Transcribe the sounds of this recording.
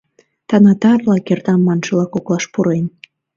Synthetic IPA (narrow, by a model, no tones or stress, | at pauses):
t̪ɑnɑt̪ɑrlɑkert̪ɑmːɑnʃəlɑkoklɑʃpuɾen